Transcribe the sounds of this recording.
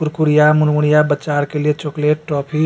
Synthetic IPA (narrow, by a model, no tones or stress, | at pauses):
pʊɾkuɽijamunmuɽijabət͡ʃaɾkeliet͡ʃokleʈːɾɔːpʰi